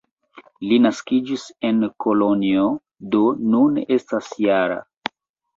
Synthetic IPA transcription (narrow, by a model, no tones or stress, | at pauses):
linaskid͡ʒise̞nkolonio | do̞nune̞stasjaɾa̰